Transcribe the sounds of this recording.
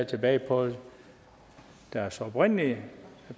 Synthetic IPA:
t͡sʰeb̥ɛ̰ːɪpʰɔ̽ð | d̥æɐsɒɒb̥ʁen̰li

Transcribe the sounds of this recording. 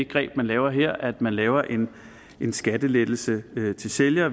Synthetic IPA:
eɡ̥ʁɛ̰ːb̥mænlɛːʊɐɦeɐ̰æd̥mænlɛːʊɐʔe̝n | ʔe̝nsɡ̥æd̥əled̥l̩səøt͡sʰe̝lseljɐ

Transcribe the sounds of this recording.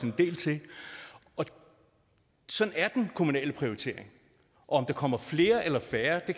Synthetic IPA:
end̥e̝̰ːlt͡sʰe̝ | ɒ̽ | sɒ̽næɐd̥enkʰo̝munɛ̰ːləpʰʁio̝it͡sʰe̝̰ɐ̰eŋ | ʔɒ̽ɒ̽md̥ɑ̈kʰɒ̽m̰ɐfle̝ːɐʔelɐfæːɐd̥e̝k

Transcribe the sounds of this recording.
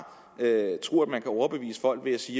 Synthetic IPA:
øt͡sʰʁo̝ɐ̰æ̥mænkʰæɒʊɐb̥e̝ʋḭːsə̥fɒ̽l̰ɡ̥ʋe̝æsiː

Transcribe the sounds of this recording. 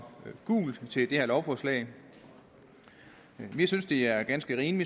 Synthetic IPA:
ɡ̥ṵːld̥t͡sʰe̝ld̥e̝hæɐlɒʊfɒslɛ̰ɪ | ʋisynsd̥e̝æɐɡ̥ænsɡ̥əʁiːnʋi

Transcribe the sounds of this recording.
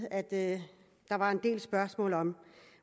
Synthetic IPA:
æd̥ | d̥ɑ̈ʋɑ̈e̝nd̥e̝̰ːlsb̥ɶɐsmɔ̰̽ːlɒ̽m

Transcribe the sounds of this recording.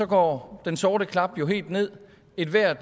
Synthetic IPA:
ɒ̽ɡ̥ɒ̰ːd̥ensɒːɾəkʰlɑ̈b̥jo̝ɦe̝̰ːld̥ne̝ð̰ˠ | e̝d̥ʋæɐ̰d̥

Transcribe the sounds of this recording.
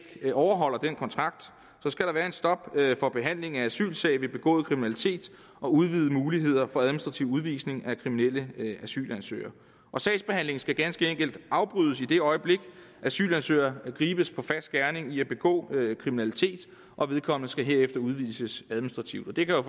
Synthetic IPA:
ɒʊɐɦɒ̽l̰ɐd̥enkʰɒ̽nt͡sʰʁɑ̈ɡ̥̚d̥ | sɒ̽sɡ̥æɾ̥ɑ̈ʋæːɐe̝nsd̥ɒ̽b̥fɒ̽b̥e̝ɦæn̰le̝ŋ̩ææsy̰ːlsɛɪʋe̝b̥e̝ɡ̥ɔ̰ːð̩ˠkʰʁiminælit͡sʰe̝̰ːd̥ | ʔɒ̽uð̞ˠʋið̞̩ˠəmuːliɦe̝ð̞̰ˠɐfɒ̽æðˠminsd̥ʁɑ̈t͡sʰiʊuð̞ˠʋḭːsne̝ŋækʰʁiminel̰əæsy̰ːlænsø̰ːɐ | ʔɒ̽sɛɪsb̥e̝hæn̰le̝ŋ̩sɡ̥æɡ̥ænsɡ̥əeŋ̰ɡ̥əl̩d̥ɑ̈ʊb̥ʁyð̞ˠsid̥e̝ɒ̽ɪəb̥le̝ɡ̥ | ʔæsy̰ːlænsø̰ːɐɡ̥ʁiːb̥əspʰɒ̽fæsd̥̚ɡ̥æɐne̝ŋiæb̥e̝ɡ̥ɔ̰̽ːkʰʁiminælit͡sʰe̝̰ːd̥ | ʔɒ̽ʋe̝ð̞ˠkʰɒ̽m̰ənəsɡ̥æɦe̝ɐ̰efd̥ɐuð̞ˠʋiːsəsæðˠminisd̥ʁɑ̈t͡sʰiʊd̥ɒd̥e̝kʰæjo

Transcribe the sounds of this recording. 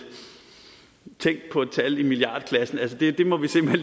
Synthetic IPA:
t͡sʰeŋ̰ɡd̥̚pʰɒ̽ed̥̚t͡sʰælimiliɑ̰̈ːd̥ˠkʰlæsn̩ælsəd̥e̝d̥e̝mɒ̽ʋise̝m̰b̥en

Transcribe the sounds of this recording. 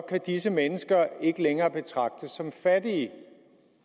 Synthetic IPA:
kʰæd̥isəmenəsɡ̥ɐe̝ɡ̥əleŋɐːb̥e̝t͡sʰʁɑ̈ɡ̥̚d̥əsːɒ̽mfæd̥iə

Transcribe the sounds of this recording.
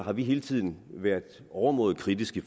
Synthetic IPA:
ɦɑ̈ʋiɦe̝ːlət͡sʰið̰ˠn̩ʋæɐ̰d̥ | ɒʊɐmɔ̰̽ːð̩ˠkʰʁid̥isɡ̥əf

